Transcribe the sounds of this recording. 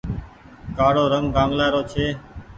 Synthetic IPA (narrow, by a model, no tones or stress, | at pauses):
kaːɽoːɾəŋɡɡãːŋɡlaːɾoːt͡ʃʰeː